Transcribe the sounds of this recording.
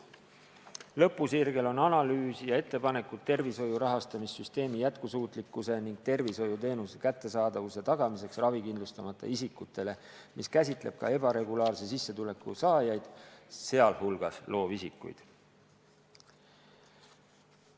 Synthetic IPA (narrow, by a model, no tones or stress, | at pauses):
lɤ̞pːˑusirɡ̥e̞lo̞nɑnɑlyːsijɑe̞t̪ːe̞pɑne̞kud̪̚t̪ːe̞rviso̞juɾɑɦɑst̪ɑmisːyst̪e̞ːmijæt̪kusuːt̪ˑlikːuse̞niŋɡ̥̚t̪e̞rviso̞jut̪e̞ːnuse̥kæt̪ˑːe̞sɑːd̪̥ɑvuse̞t̪ɑɡ̥ɑmise̞ksrɑvikind̪lust̪ɑmɑt̪ːˑɑ̰isikːut̪ːˑe̞le̞ | mʔiskæsʲit̪ˑle̞̰b̥̚kɑ̰e̞bɑɾe̞ɡulɑːrses̬isːet̪ule̞kːusɑːjɑjd̪̥se̞ɑlhulɡ̥ɑslo̞ːvisikːˑṵjd̪̥